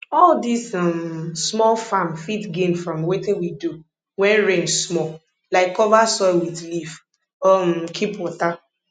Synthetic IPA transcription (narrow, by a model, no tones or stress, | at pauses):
ɔldisɔmsmɔlfamfitɡẽmfɹɔ̃mwetɪ̃nwidu | wɛ̃nɹẽnsmɔ | laɪkːɔvasɔɪlwiðlif | ɔmkʰipɔta